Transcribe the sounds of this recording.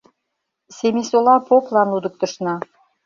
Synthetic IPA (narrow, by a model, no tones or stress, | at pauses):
semʲisolɑpoklɑnlud̪ɤ̆k̚t̪ɤ̆ʃnɑ